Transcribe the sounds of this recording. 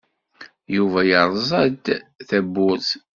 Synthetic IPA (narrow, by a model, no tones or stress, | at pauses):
juvæjəɾˤzˤɑd̪θæbːʊɾθ